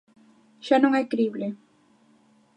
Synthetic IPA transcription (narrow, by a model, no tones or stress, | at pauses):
ʃanʊŋekɾible